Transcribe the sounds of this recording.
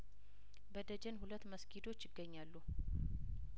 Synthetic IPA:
bəd̪əd͡ʒɛnɦulət̪ːməskʰid̪o̞t͡ʃːɪɡːəɲːalːu

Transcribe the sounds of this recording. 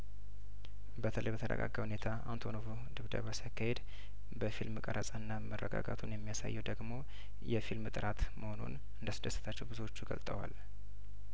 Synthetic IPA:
bət̪ʰələjbət̪ʰədə̰ɡa̰ɡːahunet̪ʰaant̪ʰo̞novu | d̪ɨβd̪ə̰βəsiakːahed̪ | bəfilmɨkʼəɾəsʼanːamərːəɡa̰ɡat̪ʰunjɛmːijasa̰jːɛwd̪əɡmo̞ | jɛfilmɨt̪ʼɨɾat̪mʔəho̞nṵn | ɨnd̪əsɨd̪əsːə̥t̪ʰat͡ʃːɛwbɨzuwo̞t͡ʃːuɡəlt̪ʼəwa̰l

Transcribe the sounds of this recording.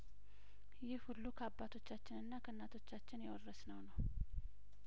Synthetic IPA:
jɪhhulːukʰəabːat̪ʰo̞t͡ʃːat͡ʃːɪnɨnːakʰənːat̪ʰo̞t͡ʃːat͡ʃːɪnjɛwɔrːəsnəwnəw

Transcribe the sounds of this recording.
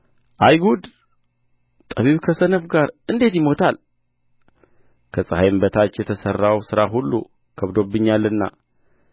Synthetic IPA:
ʔajɡud̪ | t̪ʼəβiβkʰəsənəfɡaɾɨnd̪e̞t̪jɪmo̞t̪ʰal | kʰəsʼəhajmbət̪ʰat͡ʃːjɛt̪ʰəsərːawsɨɾaɦulːṵ | kʰəβd̪o̞bːɨɲːalːɨnːa̰

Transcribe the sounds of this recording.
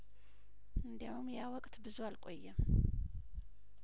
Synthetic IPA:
ɨnd̪ijawumjawɔkʼt̪ʰbɨzuwalkʼojːɛm

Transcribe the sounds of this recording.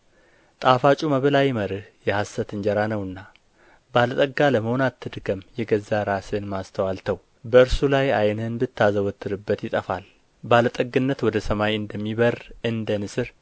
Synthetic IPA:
t̪ʼafat͡ʃʼuməβɨlajməɾɨhjɛhasət̪ɨɲd͡ʒɛɾanəwɨnːa | balət̪ʼəɡːaləməhonat̪ʰːɨd̪ɨɡəmjɛɡəzːaɾasɨnmast̪ʰəwalt̪ʰəw | bəɨɾsulajajnɨnbɨt̪ːazəwɔt̪ʰːɨɾɨbːət̪jɪt̪ʼəfal | balət̪ʼəɡːɨnːət̪wɔd̪əsəmajɨnd̪əmːiβərɨnd̪ənɨsɨɾ

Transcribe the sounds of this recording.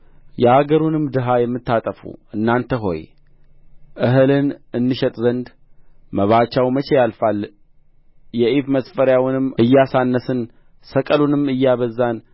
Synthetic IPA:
jɛaɡəɾunɨmːd̪ɨɦajɛmːɨt̪ːat̪ʼəfṵʔɨnːant̪ʰəɦo̞̰j | ʔɨɦɨlɨnɨnːɨʃɛt̪ʼzənd̪ | məβat͡ʃːawmət͡ʃɛjalfalː | jɛʔifməsfəɾjawnɨmːɨjːasanːəsɨn | səkʼəlunɨmɨjːaβəzːan

